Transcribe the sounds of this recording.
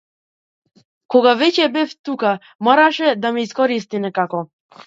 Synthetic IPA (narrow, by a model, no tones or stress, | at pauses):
kɔɡavɛcɛbɛft̪uka | mɔɾaʃɛd̪amɛiskɔɾist̪inɛkakɔ